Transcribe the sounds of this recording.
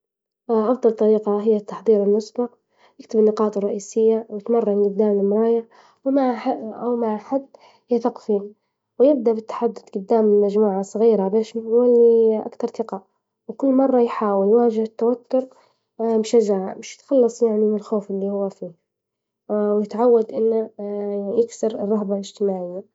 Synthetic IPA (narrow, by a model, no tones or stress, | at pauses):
ʔɑfd̪ˤɑlt̪ˤɑɾiːqɑɦɪjːat̪ːɑħðˤiːɾɪlmʊsbɑq | jɪkt̪ɪbɪnːɪqɑːt̪ˤrˤːɑʔiːsɪjːawjɪt̪mɑrˤːɑɡʊd̪ːaːmlɪlmɾˤɑːjɪʕ | wmaʕaʔawmaʕħad̪ | hɪθaqfiːn | wjɪb̚d̪aʔbɪt̪ːḁħad̪ːʊd̪ɡʊd̪ːaːmɪmad͡ʒmuːʕasˤɣiːɾabeːʃwɪlːiʔa̰kt̪ɑɾˤθɪqɑ | wkʊlːmɑrˤːɑjħaːwɪljwaːd͡ʒɪht̪ːawat̪ːʊɾ | bɪʃad͡ʒaʕamɪʃjɪ̥t̪xɑlːɑsˤjaʕnimɪlxoːfɪlːihʊwːafiː | wjɪt̪ʕawːad̪ʔɪnːa | jɪksɪɾɪrˤːɑhbalɪd͡ʒ̥t̪ɪmaːʕɪjːa